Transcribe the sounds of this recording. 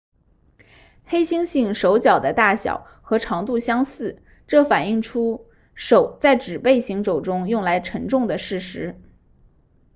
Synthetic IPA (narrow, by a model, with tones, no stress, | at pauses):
xe˥ɪɕi˥ŋɕi˥˩ŋʂo˧˥ʊt͡ɕjɑ˨˩ʊd̪ə˦t̪a˥˩ɕjɑ̰˨˩˦ʊ | xɤ˧˥ʈ͡ʂʰɑ˧˥ŋt̪u˥˩ɕjɑ˥ŋsɹ̩˥˩ | ʈ͡ʂɤ˥˩fa˨˩ni˥˩ŋʈ͡ʂʰu˥ | ʂo˨˩ʊt͡sa˥˩ɪʈ͡ʂɻ̩˨˩pe˥˩ɪɕi˧˥ŋʂo˨˩ʊʈ͡ʂʊ˥ŋjʊ˥˩ŋla˧˥ɪʈ͡ʂʰə˧˥ŋʈ͡ʂʊ˥˩ŋd̪ə˩ʂɻ̩˥˩ʂɻ̩˧˥